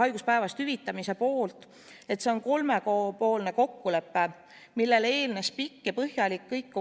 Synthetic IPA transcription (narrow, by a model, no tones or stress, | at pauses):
ɑjɡ̥uspæevɑst̪hyvit̪ːˑɑmise̞po̞ːlt̪ˑ | e̞t̪se̞o̞nko̞lme̞kopo̞ːlne̞ko̞kːule̞pːe | milːe̞le̞ːlne̞spikːepɤhjɑlikːɤjkː